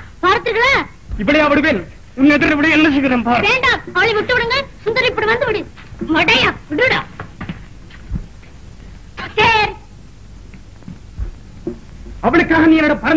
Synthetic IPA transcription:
paːɾɐt̪ːɯɾɣɐɭaː | ɪpːɐɽɪjɐʋɐɽɯpeːl | ʊnːɛðɐɾɪʋɐɽijnɪnɐt͡ʃːɯɣɯɾeːmpaːɾʋeːɳɖaːmɐʋɐɭɪmɔʈːɯʋɐɽɯŋɡɐsʊnd̪ɐɾɪpːɐɽɯʋɐnd̪ɯʋɪɽɯ | mɐɽɐjaːʋɪɽɯɽaː | seːɾ | ɐʋɐɭɯkːaːɣɐniːɛnɐɽɐpɐɾɐ

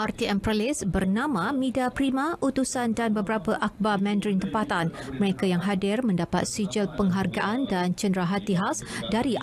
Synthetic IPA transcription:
art̪iɛmpɾəlɪsbərnãmãmĩdapɾimãʔut̪usandanbəbəɾapəʔak̚bamɛ̃ndɾint̪əmpat̪an | məɾekajaŋɦadɪrmə̃ndapa̰t̪̚sid͡ʒəlpəŋɦarɡaʔandant͡ʃəndɾaɦat̪iɦawsdaɾi

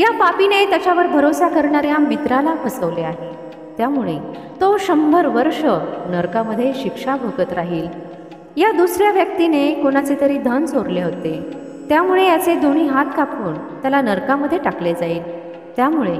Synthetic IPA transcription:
japapinet̪jat͡ɕjaʋəɾbʱəɾosakəɾɳaɾjamit̪ɾalakʰəsəʋleaɦe | t̪jamuɭe | t̪oɕəmbʱəɾʋəɾʂənəɾkaməd̪ʱːjeɕikʂabʱəɡət̪ɾaɦiːl | jad̪usɾjaʋjək̚t̪inekoɽ̃at͡set̪əɾiːd̪ʱənt͡soɾleɦot̪e | t̪jamuɭejat͡sed̪ʱoɽ̃iːɦat̪kapuːn | t̪jalanəɾkaməd̪ʱːjeʈakled͡zaiːl | t̪jamuɭe

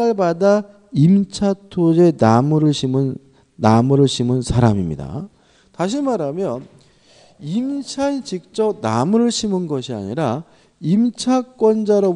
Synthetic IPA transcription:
aɭbada | imt͡ɕʰatʰod͡ʑe̞namuɾɯɭɕʰimɯn | namuɾɯɭɕʰimɯnsʰaɾamimɲḭda̰ | taɕ̬ʰimaɾamjʌn | imt͡ɕʰaet͡ɕik̚t͡ɕ͈ʌp̚na̰muɾɯɭɕʰimɯnɡʌɕʰia̰ɲiɾa | imt͡ɕʰak͈wʌnd͡ʑaɾʌ

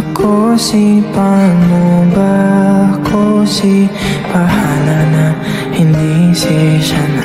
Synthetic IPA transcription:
kʰosipamubakʰosi | pahalana | hind̪isiʃana

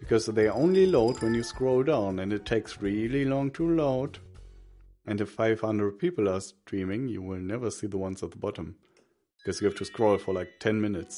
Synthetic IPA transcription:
b̥ɨkʰɔzðeɪʔõʊ̃nliloʊt̚wɛ̃njɨskɹoʊlˠdãʊ̃nɨ̃ndɨtʰeɪksɹilˠilɔ̃ŋtʰuloʊt | ʔɨ̃ndɨffaɪv̥hʌ̃ndɹəd̚pʰipl̩ˠəstɹĩmɪ̃ŋjɨwɪlˠnɛvə˞siðəwʌ̃nzət̪̚ðəbɑɾə̃m | b̥ɪkʰɔzjɨhæftʰuskɹoʊlˠfə˞laɪk̚tʰɛ̃nmɪnɨts

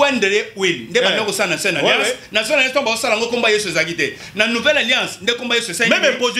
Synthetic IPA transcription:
wɛndelewelindebakosalanasɛnalãsnas̬ɛnjãtɔ̃bazosaaŋɡokombajesuezakite | nanuvɛlaljãsndekombajesesamɛbepoz

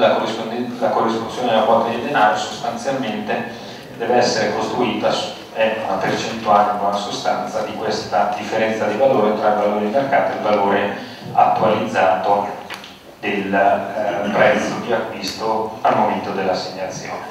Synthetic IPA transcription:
lakorislakorːisponjoːned̪elakwɔt̪ːad̪eld̪enaːɾosost̪ant̪sjalment̪e | d̪ɛːveɛsːeɾekost̪ɾuiːt̪a | ɛkːṵnapert͡ʃent̪ualkonasost̪ant̪sad̪ikwest̪ad̪ifːeɾɛnt̪sad̪ivaloːɾet̪ɾailvaloːɾeimarkaːt̪oelvaloːɾe | at̪ːualid̪zːaːt̪o | d̪el | pɾɛt̪sːod̪iakːwist̪oalmːoment̪od̪elːasːeɲːat̪sjo̰ːne

